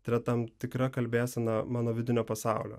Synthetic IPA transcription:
t̪ɐɪɾɐt̪ɐmt̪ʲɪkɾɐkɐlʲbʲæːsʲɛnɐmɑːnoːʋʲɪd̪ʲɪnʲoːpɐsɑˑʊlʲo̰ː

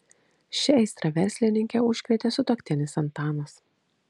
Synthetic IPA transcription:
ʃʲɪɛɪst̪ɾɐʋʲɛɾʲsʲlʲɪnʲɪŋʲkʲɛʊʃʲkʲʋʲɛt̪ʲeːsʊt̪oːkʲt̪ʲɪnʲɪsɐnt̪ɑːmɐs

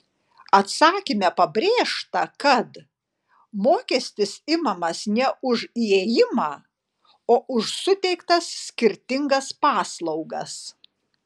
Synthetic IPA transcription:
ɐt̪sɑːkʲɪmʲɛpɐbʲɾʲeːʃt̪ɐkɐt̪ | moːkʲɛsʲt̪ʲɪsɪmɐmɐsnʲɛʊʒieːjɪmɑː | oːʔʊʃsʊt̪ʲɛɪkt̪ɐssʲkʲɪɾʲt̪ʲɪŋɡɐspɑːslˠɒʊɡɐ̰s

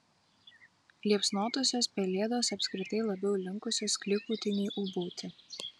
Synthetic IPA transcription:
lʲiɛpsnoːt̪oːsʲoːspʲɛlʲeːd̪oːsɐpʲsʲkɾʲɪt̪ɐɪlˠɐbʲɛʊlʲɪŋˑkʊsʲoːsklʲɪkuːt̪ʲɪnʲiːʔuboʊt̪ʲɪ

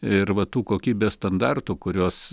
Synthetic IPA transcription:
ɪɾʋɐt̪uːkoːkʲiːbʲeːst̪ɐnd̪ɑrt̪uːkʊɾʲoːs

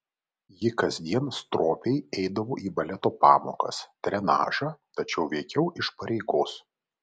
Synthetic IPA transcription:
jɪkɐzʲd̪ʲiɛnst̪ɾoːpʲɛɪɛɪd̪ɐʋoːʔiːbɐlʲɛt̪oːpɑ̰ːmo̰ːkɐ̰st̪ʲɾʲɛnɑ̰ːʒɑt̪ɐt͡ʃʲɛʊʋʲɛɪkʲɛʊʔɪʃpɐɾʲɛɪɡoːs

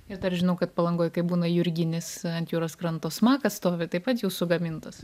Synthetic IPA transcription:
ɪɾd̪ɐrʒʲɪnɐʊkɐt̪̚pɐlˠɐŋɡoːjkɐɪbuːnɐjʊɾʲɡʲɪnʲɪsɐnʲt̪juːɾoskɾɐnt̪oːsmɑːkɐsst̪oːʋʲɪt̪ɐɪpɐt̪juːsʊɡɐmʲɪnt̪ɐs

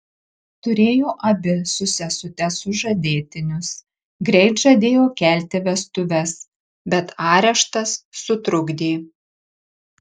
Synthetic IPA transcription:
t̪ʊɾʲeːjoːʔɐbʲɪsʊsʲɛsʊt̪ʲɛsʊʒɐd̪ʲeːt̪ʲɪnʲʊs | ɡɾʲɛɪt̪ʒɐd̪ʲeːjoːkʲæːˑlʲt̪ʲɪʋʲɛst̪ʊʋʲɛs | bʲɛt̪ɑːɾʲɛʃt̪ɐsːʊt̪ɾʊɡd̪ʲiː

